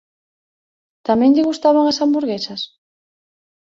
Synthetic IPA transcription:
t̪amɛ̃ŋʎɪɣust̪aβ̞aŋasambuɾɣesɐs

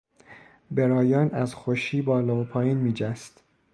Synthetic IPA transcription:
be̞ɾɒːjɒːnæzxoʃiːbɒːlɒːopʰɒːjiːnmiːd͡ʒæst̪

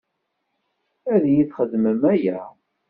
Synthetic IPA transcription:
æðjiθχəðməmæjæ

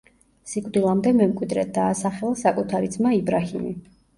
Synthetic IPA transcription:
sikʼd̪ilˠamd̪ɛmɛmkʼwid̪ɾɛd̪aːsaχɛlˠasakʼut̪ʰaɾid̪zmaibɾahimḭ

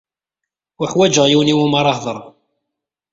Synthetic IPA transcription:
əħwæd͡ʒəʁjiwniwumɑɾˤɑhðˤəɾˤ

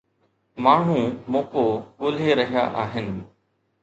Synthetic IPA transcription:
maːɳ̤ũːmoːkoːkʊːleːɾəɦja̰ːʔaːɦɪn

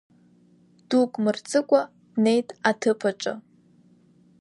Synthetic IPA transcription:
d̥ukʼmɨrt͡sʼɨkʷʼa | dne̞jtʼatʰɨpʰaʈ͡ʂʼɨ̰

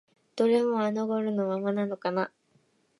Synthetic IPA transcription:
d̪̥o̞ɾe̞moanoɡoɾɯ̟nomamanano̞kana

